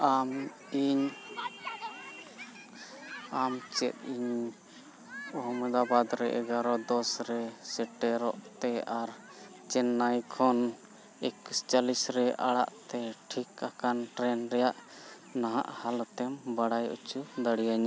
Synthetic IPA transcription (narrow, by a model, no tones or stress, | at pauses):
am | iɲ | amt͡ʃɛt̪̚iɲ | ɔɦɔmɛd̪abad̪ɾɛ̰ʔɛ̰ɡaɾɔd̪ɔsɾɛsɛʈɛɾɔʔt̪ɛaɾ | t͡ʃɛnːajkʰɔn | ɛkust͡ʃalisɾɛʔaɽaʔt̪ɛʈʰikakanʈɾɛnɾɛjaʔ | naɦa̰ʔhalɔt̪ɛmbaɽajṵt͡ʃud̪aɽijaɲa